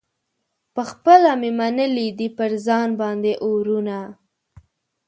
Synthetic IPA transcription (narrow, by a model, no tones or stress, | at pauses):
pəxpəlamemanəlid̪ipəɾzɑnbɑnd̪eʔoɾuna